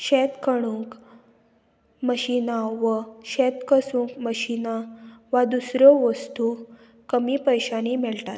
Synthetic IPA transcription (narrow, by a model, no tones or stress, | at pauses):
ɕet̪kʰəɽ̃uŋk | məɕinaʋəɕet̪kəsũŋkməɕinaʋad̪usɾɔʋəst̪u | kəmiːpəjɕanimɛɭtat̪̚